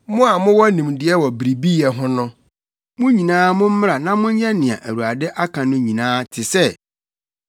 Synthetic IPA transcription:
mʊ̃˦a˨mʊ̃˦wɔ˦nĩ˨mdɪ˨˦ɛ˦wɔ˨bɾi˨bi˦jɛ˨ɦʊ̃˦nʊ̃˦ | mʊ̃˦ɲĩ˨nãː˦mʊ̃˦m̩˦mɪ̃˦a˨nã˦mʊ̃˦ɲ̩˦jɛ˦nɪ̃˨ã̰˨ʔæ˨ɾu˨a˨dɛ˦ʔa˦kʰã˨nʊ̃˦ɲĩ˨nãː˦tʰɪ˨sɛ˦

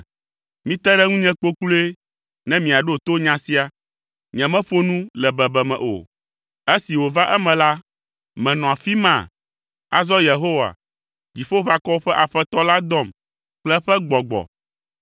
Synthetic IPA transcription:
mĩ˦t̪ɛ˦ɖɛ˦ŋũ˦ɲɛ̃˦k͡po˦klu˦e˦ | nɛ̃˦mĩ˨a˨ɖo˦o˨t̪o˦ɲã˦si˦a˨ | ɲɛ̃˨mɛ̃˦ɸo˦nũ˦lɛ˨bɛ˨bɛ˨mɛ̰̃˨ʔo̰˨ | e˦si˨wo˨va˦ʔɛ˦mɛ̃˨la˦ | mɛ̃˨nɔ̃˨a˨fi˦mã̰˨ | a̰˨zɔ˦je˨ɦo˦wa̰˨ | d͡ʑi˨ɸo˦ɸa˦kɔ˦ɸɛ˦ʔa˨ɸɛ˦t̪ɔ˦la˦d̪ɔ˦˨m | k͡plɛ˦ɸɛ˦ɡ͡bɔ˨ɡ͡bɔ̰˨

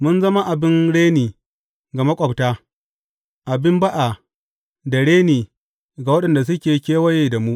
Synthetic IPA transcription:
mʊ˦nzɐ˦ma˦ʔa˨bɪ˦nɽeː˦niː˨ | ɡa˨mɐ˦kʷʼɔ˨btaː˦ | ʔa˨bɪ˦mba˦ʔa˨ | da˨ɽeː˦niː˨ | ɡa˨wɐ˦ɗɐ˨nda˨s̬ʊ˦kʲeː˨kʲeː˦wɐ˦jeː˨da˨mu˦ʔ

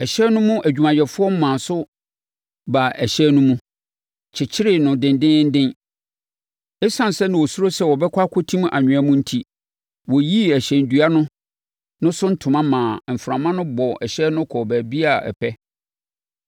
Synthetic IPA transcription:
ɛ˨ɕɛ˦nʊ̃˦mʊ̃˦ʔæ˨d͡ʑᶣu˨mã˨jɛ˨fʊ˦ɔ˦m̩˦mãː˨sʊ˦ | ba˨ɛ˨ɕɛ˦nʊ̃˦mũ˦ | t͡ɕʰɪ˨t͡ɕʰɪ˦ɾɪ˨nʊ̃˨dɪ̃˨n˦dɪ̃˦n̩˦dɪ̃˦n | ɪ˦sã˨n˨sɛ˦nɪ̃˨wɔ˨su˦ɾo˦sɛ˦˨wɔ˨bɛ˦kʰʷa˦kʰɔ˦tʰĩ˦m˦ʔa̰˨ɲᶣʊ̃˨a˦mũ˦n̩˦tʰi˦ | wɔ˨ji˦æ˨ɕɛ˨n̩˨dɥa˦nʊ̃˦ | nʊ̃˦sʊ˦n̩˦tʰʊ̃˨mã˦mãː˨m̩˨fɾã˨mã˦nʊ̃˦bɔ˨ɛ˨ɕɛ˦nʊ̃˦kʰɔ˨bæ˨bi˦a˨ɛ̰˨pʰɛ˦

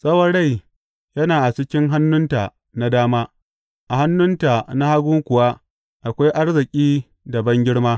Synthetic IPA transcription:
sʼɐ˦wɐ˨ɽa˦˨j | jɐ˦naː˨ʔa˨t͡ʃɪ˦kʲɪ˦ŋɦa˦nːʊ˦ntaː˨ | na˦daː˦maː˦ | ʔa˨ɦa˦nːʊ˦nta˨na˦ha˦ɡʊː˦kʷʊ˨waː˦ | ʔa˨kʷa˦jʔa˦rzɪ˨kʲʼiː˦ | dɐ˨bɐ˦ŋɡʲɪ˦ɽmaː˦

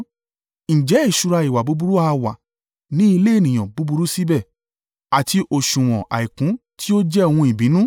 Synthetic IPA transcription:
n̩˨d͡ʒɛ˨˦i˦˨ʃu˧ɾa˧i˨wa˨bu˨˦bu˧ɾu˦a˧wa˨ | nĩ˨˦i˧le˦e˦˨nĩ˨j̃ã˨bu˨˦bu˧ɾu˦si˦bɛ˦˨ | a˨ti˧ʔo˨ʃũ˨w̃ɔ̃˨ʔa̰˨i˨kũ˨˦tʰi˦o˦d͡ʒɛ˦o˧hũ˧i˨bĩ˨˦nũ˦

